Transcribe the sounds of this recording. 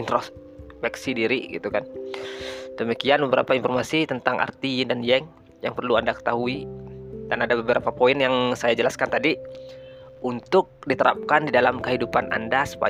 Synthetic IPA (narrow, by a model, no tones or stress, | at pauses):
int̪ɾo | fɛksidiɾiɡḭt̪ukan | d̥əmikianbəbəɾa̰painfɔrmasit̪ənt̪aŋʔa̰rt̪indanjɛŋ | jaŋpərluandakə̥t̪aɦuidanadabəbəɾapapoinjaŋsajad͡ʒəlaskant̪adi | unt̪ʊk̚dit̪əɾa̰p̚kandidalamkəɦidupanʔa̰ndasə̥pa̰